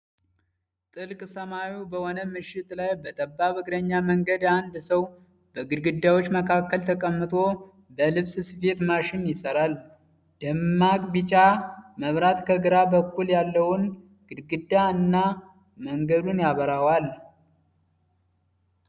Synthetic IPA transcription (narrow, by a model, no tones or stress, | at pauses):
t̪ʼɨlkʼsəmawibəhɔnəmɨʃːɪt̪lajbət̪ʼəbːaβɨkʰɾəɲːaməŋɡəd̪and̪səw | b̥əɡɨd̪ɡɨd̪ːawo̞t͡ʃːməkʰakːəlt̪ʰəkʼəmːɨt̪ʼo̞ | bəlɨβssɨfe̞t̪maʃɪnjɪsəɾal | d̪̥əmːakʼbit͡ʃʼaməβɾat̪kʰəɡɨɾabəkːuljalːəwʊn | ɡ̥ɨd̪ɡɨd̪ːaɨnːa | məŋɡəd̪unjaβəɾawal